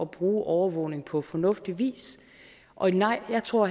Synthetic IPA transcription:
ɒ̽b̥ʁuːʔɒʊɐʋɔ̰ʊne̝ŋpʰɒ̽fɒnɔ̽fd̥iʋḭːs | ʔɒ̽nɑ̈ɪ̰jɑ̈ɪt͡sʰʁo̝ɐ̰

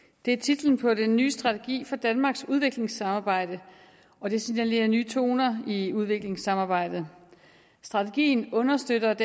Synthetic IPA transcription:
d̥e̝æɐt͡sʰid̥ln̩pʰɒ̽denːyːsd̥ʁɑ̈t͡sʰe̝ɡ̥ḭːfɒ̽d̥ænmɑ̈ːɡ̥suð̞ˠʋe̝ɡ̥le̝ŋsɑ̈mɑ̈ːb̥ɑ̈ɪ̰d̥ə | ɒ̽d̥e̝sinæle̝̰ːɐnyːt͡sʰo̝ːnɐiuð̞ˠʋe̝ɡ̥le̝ŋsɑ̈mɑ̈ːb̥ɑ̈ɪ̰d̥ð̩ˠ | sd̥ʁɑ̈t͡sʰe̝ɡ̥ḭːnɔ̽nɐsd̥ød̥ɐd̥

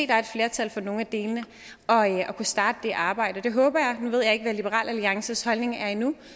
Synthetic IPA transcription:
ḛːd̥ɑ̈ɐed̥fle̝ːɐt͡sʰælfɒno̝ːŋ̩æd̥e̝ːlənə | ɒ̽ɒ̽kʰusd̥ɑ̈ːd̥əd̥e̝ʔɑ̈ːb̥ɑ̈ɪ̰d̥əɒ̽d̥e̝ɦɔ̽ːb̥ɐjɑ̈ɪnuʋe̝ð̰ˠjɑ̈e̝ɡ̥əʋælib̥əʁɑ̰̈ːlʔæliɑ̈ŋsəshɒ̽lne̝ŋæɐinu

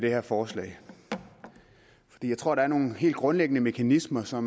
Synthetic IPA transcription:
dɾ̥e̝heɐfɒːslɛ̰ːɪ | fɒ̥d̥ḭːjaɪt͡sʰʁo̝ɐ̰ɾ̥ɑæɐno̝ːn̩ɦe̝̰ːld̚ɡ̥ʁɔ̽nleɡ̥ənəme̝kʰænismɐsɒ̽m

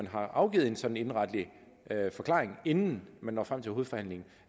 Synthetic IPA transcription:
ænɦɑ̈ʔɑ̈ʊɡ̥ḭːð̩ˠe̝nsɒ̽d̥n̩e̝nʁɑ̈d̥əli | ʔfɒ̽kʰlɑ̰̈ːʁeŋe̝nn̩mænːɒ̰ːfʁamt͡sʰe̝lho̝ð̩ˠfɒ̽hæn̰le̝ŋn̩

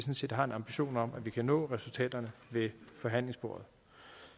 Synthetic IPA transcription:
sɒ̽nse̝̰ːd̥hɑ̈e̝nɑ̈mb̥iɕo̝̰ːnɒ̽mʔæʋikʰænɔ̰̽ːʁɛsult͡sʰɛ̰ːd̥ɐnəʋe̝fɒ̽ɦæn̰le̝ŋsb̥o̝ːɐð̩ˠ

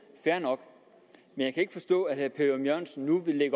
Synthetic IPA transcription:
fæɐnɒ̽ɡ̥ | menjɑ̈ɪkʰæe̝ɡ̥əfɒ̽sd̥ɔ̰̽ːæ̥hæɐpʰeɐmjœɐ̰nsn̩ːuʋele̝ɡ̥ɐ

